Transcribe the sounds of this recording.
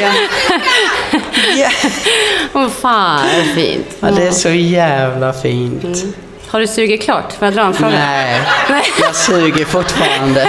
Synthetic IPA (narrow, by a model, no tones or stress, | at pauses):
jɛ | ɔfaːfḭːnt̪ɑd̪ɛæʂɔjæːvlafiːntt̪ | haɖɵsʉ̟ːɡɪkʰlɑ̰ːʈfɔɾjad̪ɾɑːɛnfɾoːnɡɛɪnɛɪjɑsʉːɡəɾfʊʈːfɑ̰ːɾand̪ə